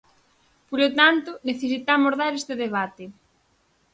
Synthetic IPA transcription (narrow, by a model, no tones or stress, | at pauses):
poɾot̪ant̪ʊneθesit̪amozðaɾest̪ɪðeβ̞at̪e